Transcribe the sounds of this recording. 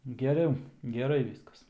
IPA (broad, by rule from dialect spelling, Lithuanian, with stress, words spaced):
ɡʲɛˈrʲɛʊ ɡʲɛˈrɐɪ ˈʋʲiːskɐs